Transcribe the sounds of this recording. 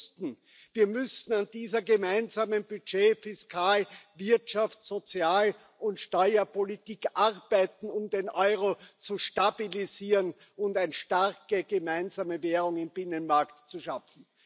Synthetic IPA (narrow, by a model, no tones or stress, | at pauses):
stn̩ | viːɐmʏsn̩and̥iːzɐɡəmæɪnzaːmənb̥yd͡ʒeːfɪskʰaːlvɪɐtʃaftz̥ot͡sjaːl | ʊntʃtɔʏɐpolitiːkʔaʁb̥æɪtn̩ʊmdenʔɔʏʁot͡suʃtabiliziːʁən | ʊntæɪnʃtaʁkəɡ̥əmæɪnzaːməveːʁʊŋɪmbɪnənmaɐktt͡suʃafn̩